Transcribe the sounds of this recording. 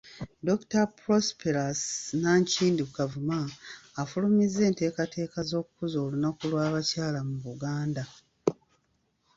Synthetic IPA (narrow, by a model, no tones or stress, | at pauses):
do̞ku̥tapɾospeɾasnaɲciːndiukavumaːfulumize̞ːnte̞ːkate̞ːkazo̞ːkukuzo̞ːlunakulwaːβacaːlamuβuɡaːnda